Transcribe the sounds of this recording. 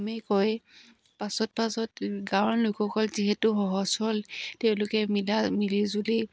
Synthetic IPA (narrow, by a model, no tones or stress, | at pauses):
mɛkɔj | pasɔt̚pasɔtɡãwɔlʊjkʰɔkɔlziɦɛtʊxɔɦɔsɔlteʊ̃lʊkɛmilamilizuli